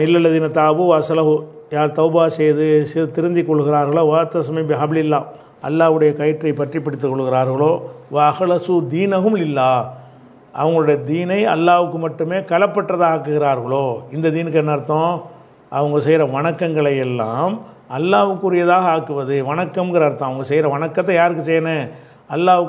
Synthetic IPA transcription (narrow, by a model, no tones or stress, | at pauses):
ɪlːɐlːɐðiːnɐt̪aːbɯʋɐsɐlɐɦʊ | jaːɾt̪ɐʊbaːsɛjðɯsɪt̪ɪɾɯnd̪ikːɔɭːɯɣɪɾaːɾɣɐɭoːʋaːɾt̪ɐsɐmɐɪbɪɦaːbɪlɪlːaːm | ʔɐ̰lːaːʋɯɽɐjɐkɐjɪʈrɐɪpɐʈripːɐɽɪt̪ːɯkːɔɭːɯɣɪɾaːɾɣɐɭoːʋɐɐɣlɐsuːd̪iːnɐɦɯmlɪlːaː | ʔɐ̰ʋɐŋɡɐɭɯɽɐjɐd̪iːnɐɪɐ̰lːaːʋɯkːɯmɐʈːɯmeːkɐlɐpːɐʈːrɐðaːaːkːɯɣɪɾaːɾɣɐɭoːɪnd̪ɐd̪iːnɯkːɛnːɐɪɾɯt̪ːõː | ʔɐ̰ʋɐŋɡɐsɛjɪɾɐʋɐɳɐkːɐŋɡɐɭɐjɛlːã̰ːm | ɐlːaːʋɯkːɯɾɪjɐðaːɣɐaːkːɯʋɐðɯʋɐɳɐkːɐmŋɡɐɾɐːɾɯt̪ːãːɐʋɐŋɡɐsɛjɾɐʋɐɳɐkːɐt̪̬ːɐ̃jaːɾɯk̬ːɯsɛjːɐne | ɐlːaːʋɯ